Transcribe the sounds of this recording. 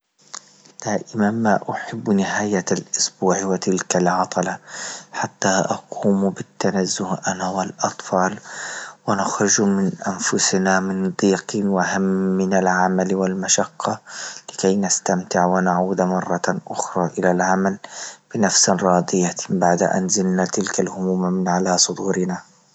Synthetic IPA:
d̪̥aːʔɪmanmaʔaħɪbːnɪɦaːjalʔʊsbuːʕwɪt̪ɪlkalʕɑt̪ˤɑlaħat̪ːaʔɑquːmbɪt̪ːanazːʊhʔanawɪlʔɑt̪ˤfɑːlwɪnaxɾʊd͡ʒmɪnʔanfʊsnamɪnd̪ˤiːqiwɪhamːɪnalʕamalwɪlmaʃaqːɑlɪkajnast̪amt̪ɪʕwɪnaʕuːd̪mɑrˤːɑʔʊxɾˤɑːʔɪlalʕamalb̥ɪnafsanɾˤɑːd̪ˤɪjabaʕd̪a̰ʔa̰nzɪlnat̪ɪlkalhʊmuːmmɪnʕalasˤʊd̪uːɾɪna

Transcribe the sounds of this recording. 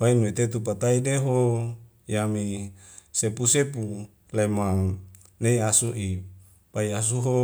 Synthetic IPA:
fainuet̪et̪upat̪aideɦo | jami | sepusepu | lemaŋ | neiasuʔi | paias̬uɦo

